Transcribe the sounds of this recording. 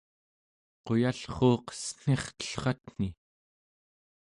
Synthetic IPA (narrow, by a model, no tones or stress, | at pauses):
qo̞jaɬχoːqə̥sŋ̥e̞χt̪ə̥ɬχɑt̪n̥i